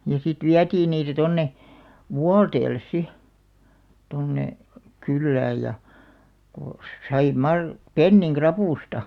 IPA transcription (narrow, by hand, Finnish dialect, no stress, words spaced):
jɑ sit ʋiætiːn niːtæ tonːe ʋuɑlteːlːes si tonːe kylːæːj jɑ ko sɑi mɑr penːiŋ krɑpuˑstɑ